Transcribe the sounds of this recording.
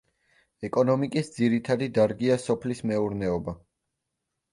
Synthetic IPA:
ɛkʼɔnɔmikʼisd̪ziɾit̪ʰad̪id̪aɾɡiasɔpʰlismɛuɾnɛɔba

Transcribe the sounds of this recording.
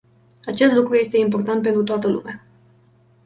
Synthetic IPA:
at͡ʃe̞st̪lukɾuje̞st̪e̞impo̞rt̪ant̪p̬e̞nt̪ɾut̪oat̪əlṵmea

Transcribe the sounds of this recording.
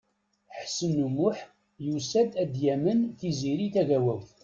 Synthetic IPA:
ħsənumʊħ | jusæd̪æd̪jæmənθiziɾiθæɣæwæwθ

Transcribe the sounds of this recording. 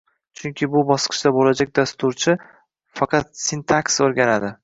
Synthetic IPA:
t͡ʃʰʊŋkʲʰɪbʊbɒsqʰɨ̥ʃd̪abolad͡ʒak̚ʲd̪ast̪ʊɾt͡ʃʰɪ | fɑqʰɑt̪̚sint̪ʰaksoɾɡʲanad̪ɪ

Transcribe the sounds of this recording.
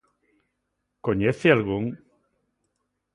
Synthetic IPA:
koɲeθealɣuŋ

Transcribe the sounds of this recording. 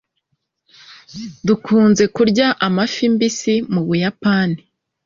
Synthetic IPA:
dukʰuːnze̞kuɾɟaʔamafimbisimuβujapaːni

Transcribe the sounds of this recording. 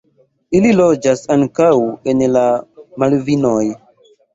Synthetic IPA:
ililod͡ʒasaŋkawenlamalvinoj

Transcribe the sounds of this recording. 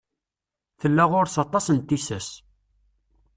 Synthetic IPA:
θəlːæʁʊɾsɑt̪ˤɑsənt̪ːisæs

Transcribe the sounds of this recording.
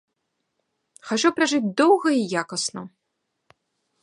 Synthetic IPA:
xat͡ʂupɾaʐɨt͡sʲd̪ɔwɣɐijakɐsnɐ

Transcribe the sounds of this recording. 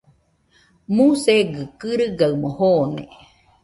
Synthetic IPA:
museɡɨkɨɾɨɡaɨmohoːnḛ

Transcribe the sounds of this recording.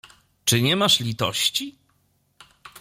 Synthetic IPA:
t͡ʂɘɲɛmaʂlʲit̪ɔ̰ɕt͡ɕi

